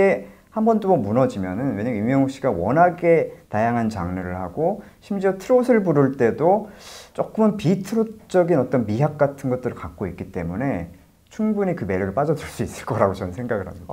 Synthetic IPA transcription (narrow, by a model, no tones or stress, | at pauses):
e | hambʌndomʌmunʌd͡ʑimjʌnɯnweɲʌŋjumjʌŋɦokɕ͈iɡawʌnaɡe̞tajaŋɦant͡ɕaŋnɯɾɯɭhaɡoɕʰimd͡ʑiʌtʰɯɾosʰɯɭpuɾɯɭt͈e̞dot͡ɕ͈ok͈ɯmɯnpitʰɯɾot͡ɕ͈ʌɡinʌt͈ʌnmiɦjak̚k͈atʰɯnɡʌt̚t͈ɯɾɯɭkak̚k͈oik͈it͈e̞mune̞ | t͡ɕʰuŋbuɲikɯme̞ɾuɾɯɭp͈ad͡ʑʌd͡ʑuɭs͈uis͈ɯ̥ɭk͈ʌɾaɡot͡ɕʌnsʰe̞ŋɡaɡɯɭɦa̰miɡa